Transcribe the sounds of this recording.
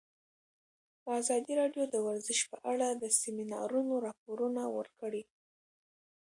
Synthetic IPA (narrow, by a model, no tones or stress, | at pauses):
d̪əazɑd̪iɾɑɖjod̪əwaɾzɪʃpəʔaɽad̪əseminɑ̰ɾunoɾɑp̚oɾunawə̰ɾkəɽi